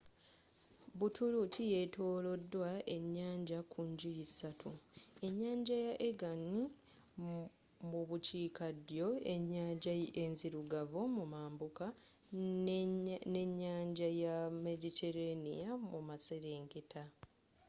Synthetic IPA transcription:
butʰulutʰije̞tʰoːlo̞dːwaʔe̞ɲːaːɲɟakʰuɲɟijisatʰue̞ɲːaːɲɟajaʔeɡani | muβuciːkadjo̞e̞ɲːaːɲɟaenziɾuɡavomumaːmbuka | neɲːaːɲɟajame̞ditʰe̞ɾenḭjamumase̞ɾe̞ːŋketa

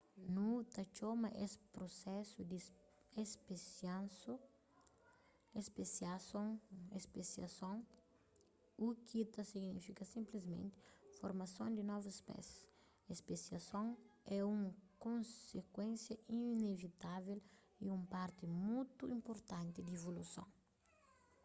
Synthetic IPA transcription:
nut̪ɐt͡ʃomɐʔesɪ̥pɾosɛsʊd̪i | espesjãnsu | espesjasõŋespesjɐsõŋ | ukʰit̪ɐsiɡnifikɐsĩmplizmḛ̃nt̪ɪ̥foɾmɐsõnd̪ɪnɔvʊsspɛ̰s | espesjɐsõŋɛũmɐkõnsekwẽnsjɐʔinevit̪avel | iũmpaɾt̪ɪmujt̪uĩmpoɾt̪ãnt̪ɪd̪evolusõ̰ŋ

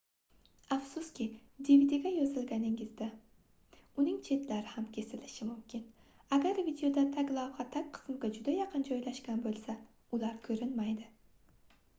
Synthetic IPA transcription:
ɑfsʊskʲɪd̪ivid̪ɪɡʲɛjozɪlˠɡʲænɪŋɪzd̪a | unɪŋt͡ʃʰet̪laɾɪhamkʲʰesɪlɪʃɪmumkʲʰɪn | aɡʲæɾvid̪ejod̪at̪ʰaɡʲlˠɑvʁɑt̪ʰak̚ʲqʰɨ̥sɨmɡʲɛd͡ʒud̪ajɑqʰɨnd͡ʒɒjlaʃkʲanbolˠsa | ulˠɑɾkʲʰɵɾɪnmajd̪ɪ

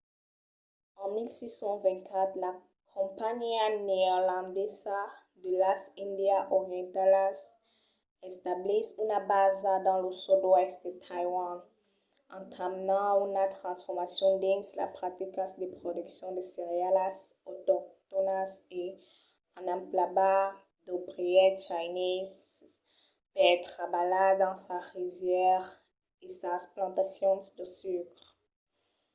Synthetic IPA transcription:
ɑ̃milsisɑ̃vɛ̃ntkʰat̪la | kʰɔ̃paɲianeɛʁlɑ̃d̪ɛza | d̪əlasĩnd̪jaʔɔʁjɑ̃nt̪alas | ɛst̪ablisynabazad̪ɑ̃ləsudwɛst̪d̪ət̪ʰajwãn | ɑ̃t̪amnɑ̃unat̪χɑ̃sfɔʁmasjɔ̃d̪ĩnsla̰pχat̪ikɑ̃sd̪epχɔd̪yksjɔ̃d̪eseʁealasɔt̪ɔkt̪ɔnase | ɑ̃nãplaba | d̪obʁiɛt͡ʃajniz | peɛt̪χabalad̪ɑ̃saʁivjɛʁ | esasplɑ̃t̪asjɔ̃d̪əsykʁ

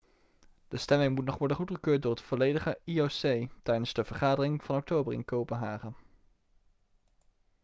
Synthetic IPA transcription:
d̥əstɛmɪŋmutnɔχʋɔɹdənχutχəkøːt̚dʊːɹətfolejdəχəiosejtɛjdənzdəvəɹχaːdərɪŋv̥ɑnɔk̚towbərɪ̰nkowpənɦaːχən

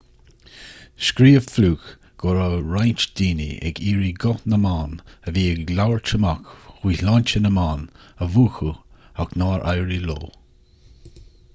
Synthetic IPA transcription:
ʃkɾiːəvfluːk | ɡ̥ɔɹəɹajnt͡ʃd̪̥iːnḭʔɛ̰ɡiːɹiɡɔnəmaːnəviːəlawɹt͡ʃʰəmakxwiːlɔnt͡ʃənəmaːnəvuːxuaknaːɹʔa̰jɹilo̰ː

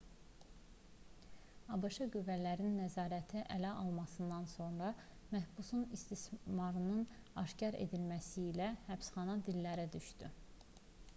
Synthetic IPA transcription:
ɑbɑʃɑɡyvːælæɾinːæzɑːɾæt̪ʰiʔælæʔɑlˠmɑsɯnd̪ɑnso̞nɾɑ | mæhbusunist̪ismɑɾɯnɯnɑ̰ʃcɑɾḛd̪ilmæsiːlæhæpsχɑnɑd̪ilːæɾæd̪yʃd̪y

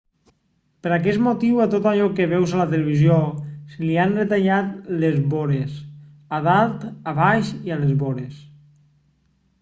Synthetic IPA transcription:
pəɾakɛsmot̪iwat̪ot̪aʎɔkeβɛwzalat̪eleβ̞izjoselianret̪aʎat̪lezβoɾes | aðalˠt̪aβajʃialezβoɾes

